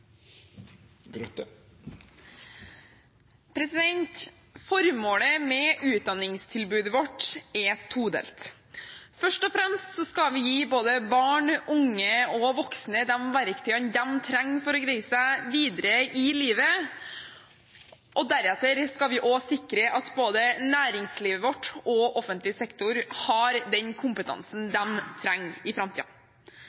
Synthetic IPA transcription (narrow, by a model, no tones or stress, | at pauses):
pʰɾɛsɪd̪ɛnt̪ | fɔɾmoːləmɛʉːt̪̚d̪ɑnːɪŋst̪ʰɪlbʉːd̪əʋɔʈːɛt̪ʰuːd̪ɛ̰lt̪ | fœʂʈɔfɾɛmst̪sɔskɑʋɪjiːboːd̪əbɑːɳʔʊŋːəɔʋɔksnəd̪ɛmʋæɾkt̪ʰyːənd̪ɛmt̪ʰɾɛŋːfɔɾɔɡɾɛɪsæʋiːd̪əɾəʔɪliːʋə | ʔɔd̪æɾɛt̪ːəɾskɑʋɪʔɔsɪkɾəʔɑt̪boːd̪ənæːɾɪŋsliːʋəʋɔʈːɔʔɔfənt̪lɪsɛkt̪ʊɾhɑɾd̪ɛnkʰʊmpət̪ʰɑ̰nsn̩d̪ɛmt̪ʰɾɛŋːɪfɾɑmt̪ḭːɑ̰